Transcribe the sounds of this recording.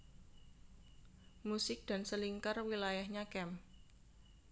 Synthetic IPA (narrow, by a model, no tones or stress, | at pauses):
musɪk̚d̥a̤nsəliŋkarwilajahɲakɛm